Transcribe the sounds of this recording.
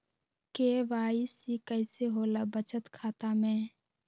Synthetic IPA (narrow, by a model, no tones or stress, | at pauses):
keːʋaːisikəɪseɦoːlabət͡ʃət̪kʰaːt̪amẽː